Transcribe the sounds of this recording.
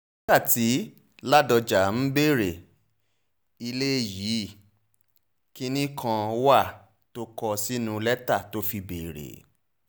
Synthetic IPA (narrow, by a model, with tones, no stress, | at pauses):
nĩ˦ka˦˨ti˨˦ | la˦dɔ˧d͡ʒa˨m̩˦be˦˨ɾe˨ | i˧le˦ji˨˦ | ki˦nĩ˦kʰã˧wa˦˨ | to˦kɔ˧si˦nũ˧lɛ˦ta˦˨to˦fi˧beː˨ɾḛ˨